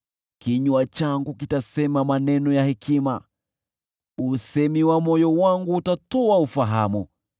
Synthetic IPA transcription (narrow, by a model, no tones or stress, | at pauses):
kiɲuat͡ʃaŋɡukitasɛmamanɛnɔjahɛkʰima | usɛmiwamɔjɔwaŋɡuːtatɔaufaɦa̰mu